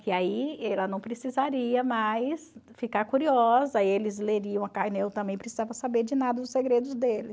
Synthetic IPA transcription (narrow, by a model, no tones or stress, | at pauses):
kɪaiɛlɐnɐ̃w̃pɾesizaɾiɐmajsfikaɾkuɾiɔzɐaielɪzleɾiɐ̃w̃ɐkajnewt̪ɐ̃mbẽj̃pɾesizavɐsabeɾd͡ʒɪnad̪ɐd̪ʊseɡɾed̪ʊzd̪elɪs